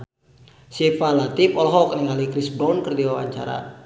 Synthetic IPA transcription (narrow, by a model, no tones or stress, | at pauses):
siɛpalat̪ipɔlɦɔkənəŋalikɾisbɔnkərdiawa̰ɲt͡ʃa̰ɾa̰